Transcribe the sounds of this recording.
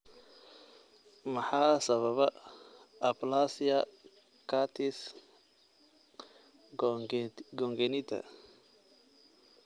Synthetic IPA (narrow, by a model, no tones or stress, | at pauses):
mɑħɑːsɐβɐβɐː | plaːsɪjɐ | kʰat̪ʰɪs | ɡɔŋɡɛnɪt̪ʰɐ̰